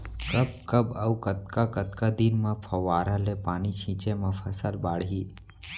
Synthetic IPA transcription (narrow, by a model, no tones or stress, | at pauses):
kəbkəbɐukət̪kakət̪kad̪inmãpʰɐʋaːɾalepaːnit͡ʃʰĩːt͡ʃemãpʰəsəlbaːɽɦiː